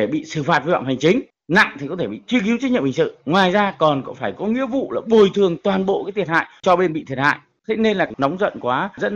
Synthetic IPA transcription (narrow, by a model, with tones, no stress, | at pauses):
e˧˩ɓḭ˧˨sɨ˧˩faː˨˩t̚va̰ː˧˨ŋ͡mha˨˩ŋ̟t͡ɕï˨˦ŋ̟ | na̰˧˨ŋt̪ʰi˨kɔ˨˦t̪ʰe˧˩ɓḭ˧˨t͡ɕ̪wki˨˦wt͡ɕ̚ɲḭ˧˨mhï˨˩ŋsɨ̰˧˨ŋwaː˨˩jzaː˧kɔ˨˩nkɔ̰˧˥faː˧˩jkɔ˨˦ŋḭ˧˥əvṵ˧˨laː˨˩ɓo˨˩jt̪ʰɨ˨˩əŋt̪waː˨˩nɓo̰˧˨ʔkaː˨˦jt̪ʰi˨˩ət̚ha̰ː˧˨jt͡ɕɔ˧ɓe˧nɓḭ˧˨t̪ʰi˨˩ət̚ha̰ː˧˨j | t̪ʰe˨˧˦ne˧nlaː˨˩na˨˦wŋ͡mzə̰˧˨nkwaː˨˦zə̰˦˥t̚